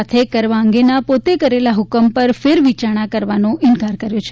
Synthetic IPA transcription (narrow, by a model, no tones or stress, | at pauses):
at̪ʰekəɾʋaəŋɡenapot̪ekəɾelaɦʊkəmpəɾfeɾʋit͡ʃaɽ̃akəɾʋanõʔɪnkaɾkəɾjot͡ʃʰe